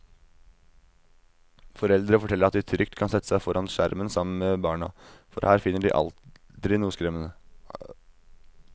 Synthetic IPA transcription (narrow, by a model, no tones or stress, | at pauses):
fɔɾɛld̪ɾəfɔʈʰɛləɾɑt̪̚d̪ɪt̪ʰɾʏkt̪kʰɑnsɛt̪ːəsæɪfɔɾɑnʂæɾmənsɑmːən̩meːbɑːɳɑ̰fɔ̰ɾhæːɾfɪnːəɖḭːʔɑ̰l | d̪ɾɪnuːskɾɛmənə